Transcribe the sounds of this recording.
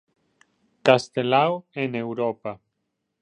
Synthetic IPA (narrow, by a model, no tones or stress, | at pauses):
kast̪elawenewɾopa